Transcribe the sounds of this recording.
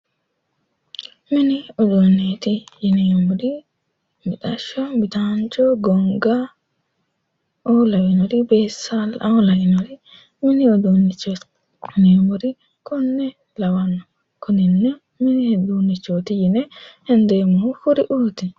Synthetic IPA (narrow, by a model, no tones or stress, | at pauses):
miniɔd͡ʒonet̪ijinemuɾi | mitaʃɔmitant͡ʃɔɡɔŋɡa | ʔɔlawinɔɾibɛsalaɔlawinɔɾi | miniɔdunit͡ʃːɔ | nemuɾi | kunːɛ | lawanːɔ | kʰuninːɔ | minidunit͡ʃːot̪ijinɛhɛnd̪ɛmufuɾiʔuːt̪i